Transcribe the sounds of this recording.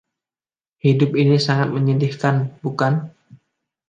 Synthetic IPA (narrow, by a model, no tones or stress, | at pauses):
hidʊpinisaŋat̪̚məɲindihkanbukan